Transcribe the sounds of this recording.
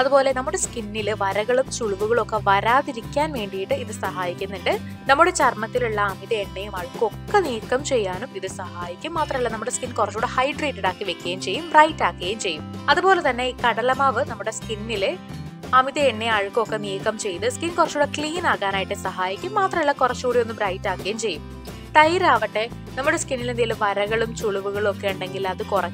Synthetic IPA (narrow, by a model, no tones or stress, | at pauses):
ɐðupo̞ːle̞nɐmːuɽe̞skinːilʋɐɾɐɣɐɭumt͡ɕuɭʋuɣɐɭo̞kːeʋɐɾaːðiɾikʲːaːnʋe̞ːɳɖijiʈːɨiðɨsɐɦaːjikʲːunːuɳɖɨ | nɐmːuɽe̞t͡ɕɐrmɐt̪ːiluɭːɐɐmiðɐeɳːejumaːɻkɨo̞kːeniːkːɐmt͡ɕe̞jːaːnumiðɨsɐhaːjikʲːumːaːt̪rɐmilːɐnɐmːuɽe̞skinːkurɐt͡ɕːuːɽɐhɐjɖreːtːiɽaːkːiʋe̞kʲːejumt͡ɕe̞jːumrɐjtːaːkːɐɐejumt͡ɕe̞jːumɐðupo̞ːle̞t̪ɐnːe̞iːkɐɽɐlɐmaːʋɨnɐmːuɽeskinːile | ɐmiðɐeɳːejaːɻkɨokːeniːkːɐmt͡ɕe̞jt̪ɨskinkurɐt͡ɕːuːɭɐkliːnaːɣaːnaːjiʈːɨsɐɦaːjikʲːumːaːt̪rɐmilːɐkurɐt͡ɕːuːɽijonːɨmbɾɐjtːaːkːɐjumt͡ɕe̞jːum | ʈɐjɾaːʋɐʈːe | nɐmːuɽe̞skinːilenːiːlɨʋɐɾɐɣɐɭumt͡ɕuɭuʋuɣɐɭo̞kːe̞ːuɳɖe̞ŋɡilɐðɨkurɐ